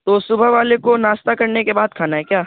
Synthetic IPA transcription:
t̪osʊbʱəɦʋaːlekonaːst̪akɐɾnekebaːd̪̚kʰaːnaɦɛkjaː

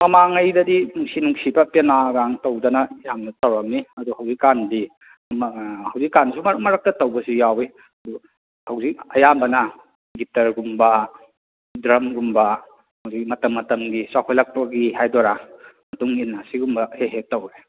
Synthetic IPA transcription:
mɐmaŋɐjdɐdinuŋsinuŋsibɐpenaɡaŋtɐwdɐnɐjamnɐtɐwɾɐmniɐduhawzikːandi | mhawzikːansumɐɾmɐɾak̚tɐtɐwbɐsujawe | ɐdu | hawzik̚ɐjambɐnɐ | ɡitɐɾɡumbɐ | dɾɐmɡumbɐ | hɐwzik̚mɐtɐmːɐtɐmɡisakʰojlɐk̚pɐɡiɦajdɔɾamɐtuŋinːasiɡumbɐheɦetɐwe

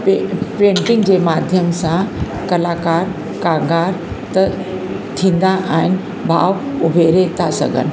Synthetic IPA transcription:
pepɾẽːɳʈɪ̃ŋɡd͡ʑeːmaːd̪ʱjəmsã | kɐlaːkaːɾ | kãŋɡaːɾ | t̪ɐ | t̪ʰĩːnd̪aʔaɦɪn̆ | bʱa̰ːʋʊbʱeɾet̪ʰasɐ̰ɡə̰n

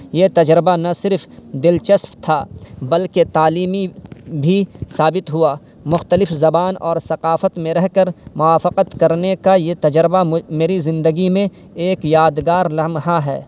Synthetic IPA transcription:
jet̪ɐd͡ʒɾɪbanɐsɪɾfʰd̪ɪlt͡ʃɐspt̪ʰabɐlket̪aːliːmibʱisaːbɪt̪ɦʊa | mʊxt̪əlɪfzɐbaːnɔːɾsɐqaːfət̪mẽɾɛɦkəɾmʊwaːfəqət̪kɐɾnekajet̪ɐd͡ʒɾbameːɾizɪ̃nd̪əɡimẽ | eːkjaːd̪ɡaːɾlɐɦmɦaɦɛ̰ː

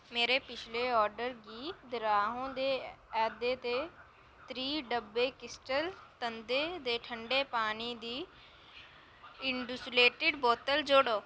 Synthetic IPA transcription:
meːɾeːpɪt͡ʃʰleːɔːɾɖəɾɡiːd̪ɪɾaːɦõːd̪eːɛːd̪eːt̪eː | t̪ɾiːɖəbːeːkɪsʈəlt̪ənd̪eːd̪eːʈʰəɳɖeːpaːniːd̪iː | ɪɳɖusleːʈɪɖboːt̪əld͡ʒoːɽoː

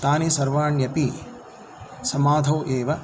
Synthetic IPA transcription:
t̪aːnisɐɾʋaːɳjɐpi | sɐmaːd̪ʱɐːʔeːʋɐ

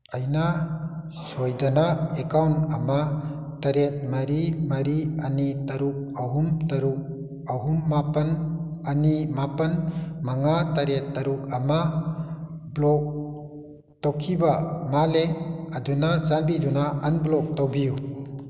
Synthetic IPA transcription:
ajna | sojdanaekawntama | taɾet̚maɾimaɾianitaɾuk̚aɦumtaɾuk̚ | aɦumːapɐnanimapɐnmaŋataɾetːaɾukama | blɔk̚ | tawkʰibamaleadunazanbidunaɐnblɔk̚tawbiju

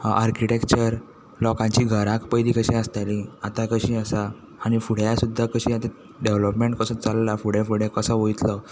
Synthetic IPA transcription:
aɾkiʈekt͡ɕəɾ | lɔkãɲt͡ɕiːɡʱəɾãkpəjd̪iːkəɕĩəst̪alĩat̪akəɕiːəsaː | ɽ̃ifuɽ̤jasud̪ʱːakəɕiːat̪a | ɖeʋləpmeɳʈ̚kəsə̃t͡salːafuɽ̤jafuɽ̤jakəsəʋojt̪lə

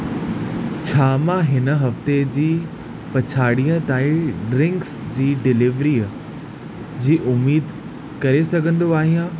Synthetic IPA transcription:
t͡ɕʰaːmãɦɪnə̆ɦɐft̪ed͡ʑiː | pɐt͡ɕʰaːɽiːə̃t̪aːĩɖɾɪ̃ŋksd͡ʑiːɖɪlɪʋɾiːə | d͡ʑiːʔʊmːiːd̪ | kɐɾesɐɡʱə̃nd̪oaːɦijã

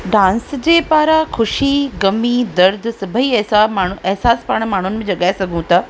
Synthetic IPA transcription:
ɖãːnsd͡ʑeːpaːɾaxʊʃiɡɐmid̪ɐɾd̪ʱsɐbʱəiɐɦsamaːɳ̤ʊɐɦsaːspaːɽ̃maːɳ̤ʊnɪ̆mẽd͡ʑɐɠaːesɐɡʱũt̪ɐ

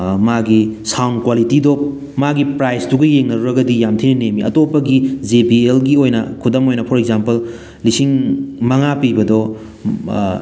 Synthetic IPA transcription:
maɡisawnkwalitidop̚ | maɡipɾajstuɡɐjeŋnɐɾuɾɐɡɐdijamtʰinɐnemiɐtopɐɡid͡ʒepielɡiojnɐ̰kʰudɐmojnɐpʰɔɾek̚zampɐl | lisiŋmɐŋapibɐdɔ

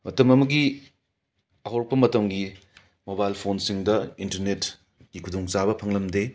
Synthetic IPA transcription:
mɐtɐmɐmɐɡi | ɐɦowɾɐkpːɐmɐtɐmɡi | mobajlpʰonsiŋdɐintɐɾnet | ɡ̥ikʰudoŋt͡ʃabɐpʰɐŋlɐmde

